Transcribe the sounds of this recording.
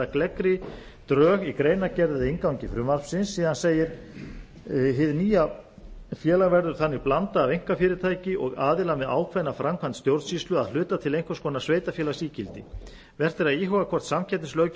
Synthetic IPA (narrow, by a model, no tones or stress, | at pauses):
aklɛkɾɪ | t̪ɾœːɣikɾeːjnacɛɾðaðɪɪŋkawɲcɪfɾʏmaɾ̥fsɪnsːiːðanseːjɪɾ̥ | ɦɪðniːja | fjɛːlaɣvɛɾðʏɾ̥θanːɪɣplant̪aːveŋ̥kafɪːɾɪɾt̪ʰaːjcɪʔɔɣaːðɪlamɛðʔa̰ːwkʰvɛnafɾamkʰvant̪st̪jowɾt̪siːst̪ʏaðlʏːt̪at̪ʰɪlejŋ̥kfvḁskɔːnasveːjt̪afjɛːlasiːcɪlt̪ɪ | vɛr̥t̪ɪɾaðiːɦɔɣakʰvɔr̥t̪samcʰɛt̪nɪslœːɥ